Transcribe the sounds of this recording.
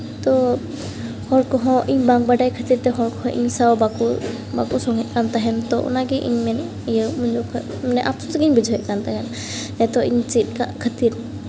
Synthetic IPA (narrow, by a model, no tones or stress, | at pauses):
t̪ɔ | hɔɾkɔɦɔ̃ʔiɲbaŋbaɖajkʰət̪iɾt̪ɛɦɔɾkɔɦɔ̃ʔiɲsawbaku | bakusɔŋɛʔ̪̚ˀkant̪aɦɛnt̪ɔʔɔ̰naɡɛʔiɲmɛn | jəmuɲd͡ʒukʰ | mɛnɛʔapsɔt̪ɡɛiɲbid͡ʒʱɔɦɛʔ̚kant̪aɦɛn | ɛt̪ɔʔiɲt͡ʃit̪̚ˀkaʔkʰat̪iɾ